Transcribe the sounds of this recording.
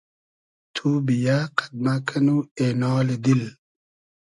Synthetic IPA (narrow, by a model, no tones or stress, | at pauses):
t̪ʰubijaqad̪̚makʰɐnuenɔːled̪il